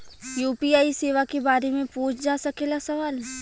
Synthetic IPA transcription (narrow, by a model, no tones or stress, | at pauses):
juːpiaːiseːʋakebaːɾemẽpõːt͡ʃʰd͡ʒaːsɐkelasɐʋaːl